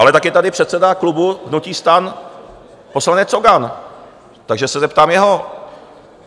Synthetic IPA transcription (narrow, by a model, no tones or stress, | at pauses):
ʔalɛt̪akjɛt̪adɪpr̝ɛt̪sɛdaklubuɦnuciːst̪an | po̞slanɛt͡soɡan | t̪aɡʒɛsɛzɛpt̪aːmjɛɦo̞